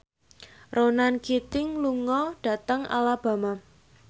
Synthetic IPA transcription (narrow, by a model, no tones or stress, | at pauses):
ronankit̪ɪŋluŋɔɖ̥ä̤t̪əŋa̰lab̥a̤ma